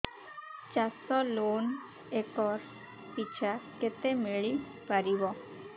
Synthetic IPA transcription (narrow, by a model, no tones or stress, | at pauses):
t͡ɕasɔlon | ekɔɾ | pit͡ɕʰaɾket̪emiɭi | paɾibɔ